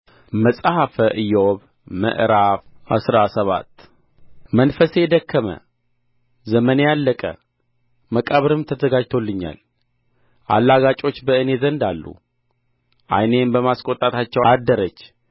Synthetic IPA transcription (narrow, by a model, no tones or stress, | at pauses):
məsʼhafəʔɨjːɛoβ | mə̰ʔɾafha̰sɾasəβa̰t̪ː | mənfəsed̪əkʰːəmə̰ | zəmənejalːəkʼə̰ | məkʼəβɾɨmt̪ʰəzəɡad͡ʒt̪ʰo̞lːɨɲːa̰l | ʔa̰lːaɡat͡ʃʼo̞t͡ʃːbəɨnezənd̪alːṵ | ʔa̰jne̞mbəmaskʼo̞t̪ʼat̪ʰat͡ʃːɛwad̪ːəɾət͡ʃː